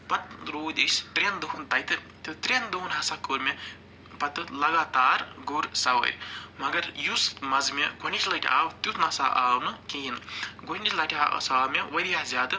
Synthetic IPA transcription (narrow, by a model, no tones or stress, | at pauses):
pɐt̪̚ɾoːd̪ʲisʲt̪ɾend̪uɦunt̪ɐjt̪ɨ | t̪ut̪ɾend̪uɦunɦɐsakuɾme | pɐt̪ːɨlɐɡaːt̪aːɾɡuɾsawɐ̰ɾʲmɐɡɐɾjusmɐzmeɡunit͡ʃlɐʈʰʲiʔa̰ːwt̪ut̪ʰnɐsa̰ʔaːwnɨkiːnɡonʲislɐʈʰʲia̰saːmewɐɾijazjaːd̪ɨ